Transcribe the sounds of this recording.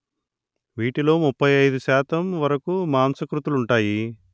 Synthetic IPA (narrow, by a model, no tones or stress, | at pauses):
ʋiːʈilo̞ːmupʰːɐjɐjd̪uʃaːt̪ɐmʋɐɾɐkumaːnsɐkɾut̪uluɳʈaːji